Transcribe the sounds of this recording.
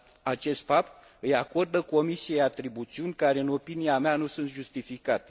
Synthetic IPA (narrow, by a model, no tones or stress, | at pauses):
at͡ʃe̞st̪fap̚t̪̚ | ɨjako̞rd̪əko̞misijeat̪ɾibut̪siunʲkaɾe̞ɨno̞piniameanusunt̪ʒust̪ifikat̪e̥